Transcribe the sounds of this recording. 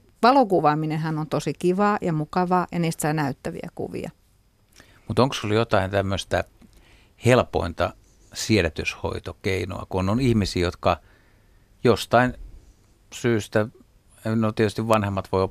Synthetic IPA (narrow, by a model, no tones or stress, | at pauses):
ʋɑlokuʋɑːminehænont̪osikiʋɑːjɑmukɑʋɑːjɑniːst̪sɑːnæyt̪ːæʋḭæ̰kṵʋḭɑ̰ | mut̪oŋksoljot̪ɑint̪æmːøst̪æ | helpo̰int̪ɑ | sielæt̪ysho̰it̪okeino̰ɑ̰kunːonihmisiːjot̪kɑ | jost̪ɑin | syːst̪æ | enolt̪iet̪yst̪iʋʋɑnhemːɑt̪ʋoio